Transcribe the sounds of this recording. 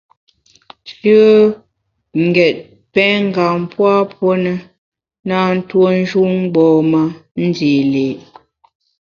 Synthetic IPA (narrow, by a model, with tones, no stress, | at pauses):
t͡ʃə˦ | ŋ̩˨ɡɛ˨t̚ | pɛ˦ŋ˦ɡa˨m˦pwa˦pwo˦nə˦ | na˦n̩˦two˦n̩˦d͡ʒu˦ŋ˦ɡ͡bɔː˨ma˦n̩˦di˨le˨